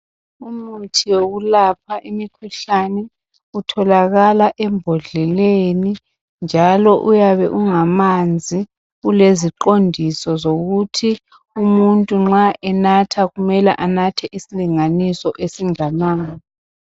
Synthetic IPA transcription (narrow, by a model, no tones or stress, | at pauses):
umutʰiwoɣulap̚ʰaʔimikʰuɬanɛ | utʰɔlaɣalaʔɛmbʱɔɮɛleni | nd͡ʒʱalɔʔujaβɛʔuŋamand͡zʱi | ɣuleziǃondʱisɔzoɣutʰi | umuntʼuŋ͡ǁaʔɛnatʰaɣumɛlɛ̰ʔanatʰɛʔisiliŋanisɔʔesiŋanaːŋɔ